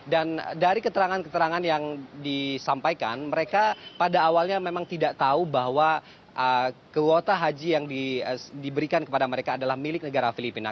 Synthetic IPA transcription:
dandaɾikət̪əɾaŋankət̪əɾaŋanjaŋdisampajkanməɾekapadaːwalɲamemaŋt̪idaʔt̪aubaɦwa | ʔəkəwot̪aɦad͡ʒijaŋdidibəɾikankəpadaməɾekaːdalahmilɪk̚nəɡaɾafilipina̰

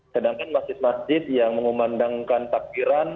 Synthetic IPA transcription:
sədaŋkanmasd͡ʒɪt̪̚masd͡ʒɪt̪̚jaŋməŋumandaŋkant̪ak̚biɾan

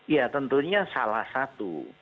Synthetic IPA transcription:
jat̪ənt̪uɲasalahsat̪ṵ

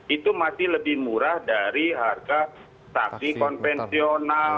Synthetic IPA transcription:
it̪umasɪhləbɪhmuɾahdaɾiɦarɡa | saksikɔnfɛnsiona

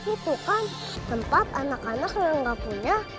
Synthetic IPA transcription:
it̪ukan | t̪əmpat̪anakanak̚jaŋɡapuɲa

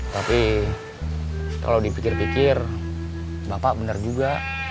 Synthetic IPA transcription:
t̪api | ka̰lawdipikɪrpikɪr | bapaʔbənard͡ʒuɡa

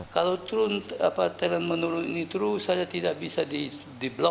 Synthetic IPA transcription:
kalawt̪ɾʊna̰pat̪əɾanmənuɾʊninit̪ɾusajat̪idaʔbisadi | diblɔ

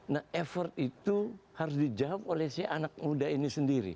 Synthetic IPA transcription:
nahɛfɔrt̪̚it̪uhaɾʊs̬did͡ʒaap̚olɛsiaʔanak̚mudainisəndiɾḭ

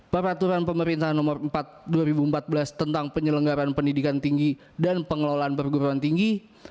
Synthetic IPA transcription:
pəɾat̪uɾanpəməɾint̪aɦanɔmərəmpat̪̚duwaɾibuəmpat̪̚bəlast̪ənt̪aŋpəɲələŋɡaɾanpəndidikant̪iŋɡi | danpəŋəlolaanpərɡuɾuant̪iŋɡi

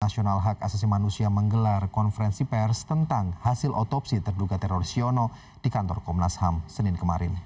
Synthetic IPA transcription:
nasionalɦakasas̬imanusiaməŋɡəlarkɔnfəɾɛnsipɛrst̪ənt̪aŋhasɪlʔot̪ɔpsit̪ərduɡat̪ɛɾoɾisionɔ | d̥ikant̪ɔ̰rkɔmnashamsənɪnkəmaɾɪn

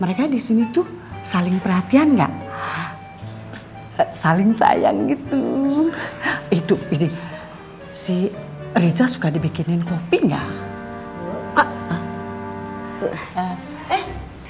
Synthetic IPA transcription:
məɾekadisinit̪usalɪŋpərɦat̪ianŋɡa̰ʔ | salɪŋsa̰ja̰ŋɡit̪u | it̪uidi | sih | rid͡ʒasu̥kadibikɪnɪnkopiŋɡa̰ʔ | ɛh

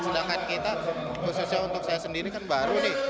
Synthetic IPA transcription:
t͡ʃulakankit̪a | pususialunt̪ʊk̚sajasəndiɾikanbaɾunɪh

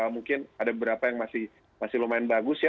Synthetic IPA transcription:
almuŋkɪnadabəbəɾapajaŋmasɪh | masɪhlomaɪnbaɡʊsja

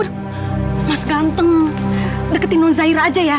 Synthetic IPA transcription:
r | masɡant̪əŋ | dəkət̪inɔnzaiɾad͡ʒaja

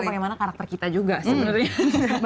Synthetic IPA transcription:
paɡejmanakaɾak̚t̪ərkit̪ad͡ʒuɡasəbənərɲab

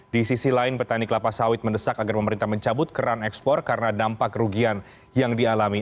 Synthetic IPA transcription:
disisilaɪnpət̪aniklapasawɪt̪̚məndəsakaɡarpəməɾint̪ahməɲt͡ʃabʊt̪̚kəɾanɛkspɔrkaɾənadampakruɡian | jaŋdialami

